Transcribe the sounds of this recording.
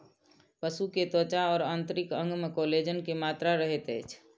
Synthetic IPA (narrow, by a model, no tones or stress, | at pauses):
pəsuket̪ot͡ʃaɔːɾant̪ɾikə̃ŋɡmekoled͡ʒənkemat̪ɾaɾəɦet̪əjt͡ʃʰ